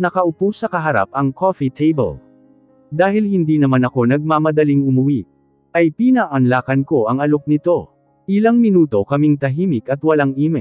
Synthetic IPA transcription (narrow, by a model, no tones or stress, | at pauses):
nɐkɐʔʊpusɐkɐɦɐɾa̰p̚ɐŋkʰofit̪ʰejbɐ̰l | d̪aːhɪlhɪnd̪iːnɐmanɐko̞nɐɡ̚mamɐd̪ɐliŋʊmʊwi | ʔɐjpinaʔɐnlaːkɐnko̞ʔɐŋɐlok̚nɪt̪o̞ | ʔɪlaŋmɪnuːt̪o̞kɐmiŋt̪ɐɦiːmɪkɐt̪wɐlaŋʔiːmɛ